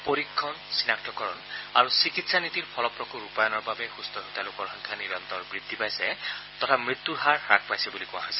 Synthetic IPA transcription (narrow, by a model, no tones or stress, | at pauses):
poɹikʰːɔnsinak̚tɔkɔɹɔnaɹusikitsanit̪iɹpʰɔlɔpɹɔkuɹupajɔnɔɹbabɛxust̪ɔɦut̪alʊkɔɹxɔŋkʰaniɹɔnt̪ɔɹbɹid̪ʱːipajsɛt̪ɔt̪ʰamɹit̪ːuɹɦaɹɹak̚pajsɛbulikʊ̃a̰ɦɔjsɛ̥